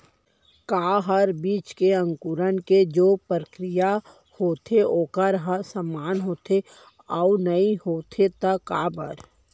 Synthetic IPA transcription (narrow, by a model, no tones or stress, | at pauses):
kaːɦəɾbiːt͡ʃkeə̃ŋkuɾənked͡ʒoːpɾəkɾɪja | hoːt̪ʰeoːkəɾɦəsəmːaːnɦoːt̪ʰe | aʊnɐĩhoːt̪ʰet̪aka̰ːbə̰ɾ